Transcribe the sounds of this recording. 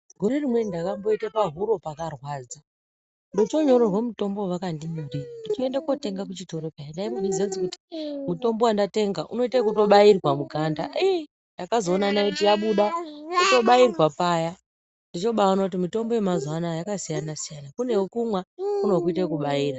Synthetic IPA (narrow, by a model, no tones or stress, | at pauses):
ɡʱo̞ɾe̞rimwe̞ndakambo̞itapaɦuɾo̞pakarwaːd͡za | ndot͡ʃo̞ɲo̞ɾorwamuto̞mbo̞ʋakandinorindit͡ʃie̞ndakwote̞ŋɡak̬ut͡ʃito̞ɾopajandaimondizent͡sikuti̥muto̞mbo̞wandate̞ŋɡaʔuno̞itekuto̞ɓairwamuɡʱandai | jakazo̞ːnanajekutijaɓuɗanito̞ɓairwapaːja | ndit͡ʃo̞ɓaaunaut̬imito̞mbo̞jemazanajakasijanasijanakune̞wokumwakuno̞kuitakuɓaiːra